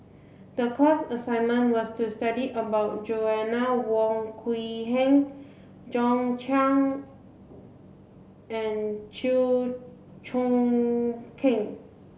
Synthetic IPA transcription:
dəpʰasəsãjnmə̃nwɔstustadiʔəbaʊt̚d͡ʒoɛnawɔ̃ŋkʰwiɦɛ̃ŋ | d͡ʒɔ̃nt͡ʃʰãŋ | ɛ̃nt͡ʃil | t͡ʃɔ̃ŋ | kʰɪ̃ŋ

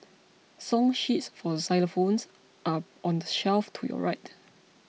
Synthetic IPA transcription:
sɔ̃ŋʃitsfɔsaɪlfõns | ʔaʔɔ̃ndəʃɛlftʰujɔ̰ɹaɪt

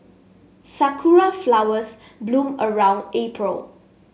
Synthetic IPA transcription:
sakʰuɹaflawəs | blũməɹãw̃ndepʰɹəl

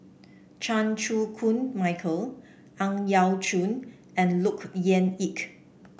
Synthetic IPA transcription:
t͡ʃãnt͡ʃukʰũnmaɪkʰəl | ãŋjawt͡ʃũn | ɛ̃nlukjɛ̃nik

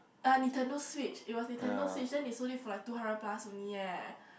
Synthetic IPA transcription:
anitʰənəlswit͡ʃit̚wɔsnitʰənəlswit͡ʃdɛ̃nisodifɔlajk̚tuhãndəplasə̃nijɛ

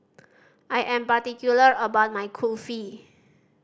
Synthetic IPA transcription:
ʔajʔɛ̃mpat̪ikjuləɹəbaʊt̚majkʰofi

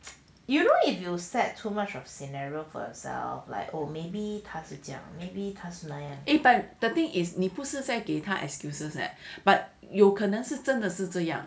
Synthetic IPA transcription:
junoifjusɛtʰːumat͡ʃɔfsinaɹiofɔ̰jə̰sɛ̰lfla̰ɪkomebit̪ʰasud͡ʒjã̰ŋmebit̪ʰasunajãŋʔebat̚d̥ət̪ɪ̃ŋɪsnipus̩zaɪɡet̪ʰaʔɛ̰kskjusəsɛ̰t̚b̥at̚ | jokʰənə̃ŋs̩t͡ʃə̃ndəs̩t͡ʃəjã̰ŋ

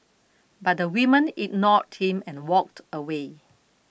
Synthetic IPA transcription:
bat̚dəwimə̃nit̚nɔt̚hĩmɛ̃nwɔk̚təwe

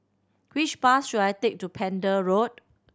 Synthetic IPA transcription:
wit͡ʃpasʃudajtek̚tupʰɛ̃ndəɹot̚

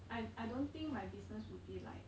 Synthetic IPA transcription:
ʔaɪajdõnt̪ĩŋk̚majbisnəswud̚bila̰ɪk

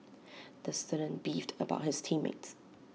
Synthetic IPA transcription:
ðɨstʌɾə̃nb̥ivdəba̰ʊt̚hɨz̥tʰĩmḛɪts

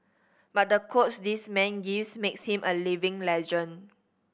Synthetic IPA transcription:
bat̚dəkʰotsdismɛ̃nɡivsmekshĩmʔəlivɪ̃ŋlɛd͡ʒə̃n

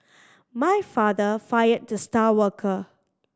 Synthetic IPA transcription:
majfadəfajəd̚dustawəkʰə

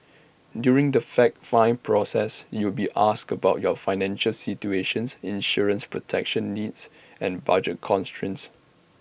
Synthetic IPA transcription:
djuɹɪ̃ŋdəfɛk̚fãɪ̃npʰɹɔsɛsjubiʔaskəbaʊt̚jɔfaɪnɛ̃nʃəlsit͡ʃueʃə̃nsĩnʃuɹə̃nspɹɔtʰɛk̚ʃə̃nːids | ɛ̃nba̰d͡ʒət̚kʰɔ̃nstɹĩns

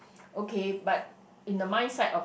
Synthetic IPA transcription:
ʔokʰebat̚ | ĩndəmãɪ̃nsatɔf

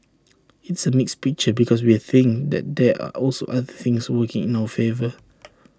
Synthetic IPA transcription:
ɪtsəmikspik̚t͡ʃəbikʰɔs̬wiəθɪ̃ŋd̪ɛ̰t̚dɛa̰ʔɔlso̰ʔaðəθɪ̃ŋswəkɪ̃ŋĩnawəfevə

